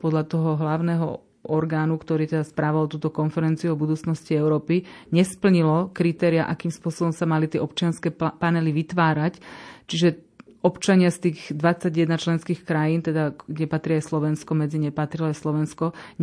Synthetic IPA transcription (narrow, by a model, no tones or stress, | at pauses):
pɔd̪ʎat̪ɔɦɔɦlaʊnɛɦɔ̰ | ʔɔɾɡaːnukt̪ɔɾiːt̪ɛd̪aspɾaːʋalt̪uːt̪ɔkɔnfɛɾɛnt͡siuɔbud̪uːt͡snɔsciɛʊɾɔːpiɲɛspl̩ɲilɔkɾit̪ɛːɾiaʔakiːmspʊɔsɔbɔmsamalit̪ɪɛʔɔp̚t͡ʃɪanskɛpanɛliʋit̪ʋaːɾact͡ʃiʒɛ | ɔpt͡ʃaɲɪast̪iːɣd̪ʋat͡sːaɟjɛd̪nat͡ʃlɛnskiːxkɾajiːnt̪ɛd̪aɡɟɛpat̪ɾiajslɔʋɛnskɔmɛd͡ziɲɛpat̪ɾilɔajslɔʋɛnskɔ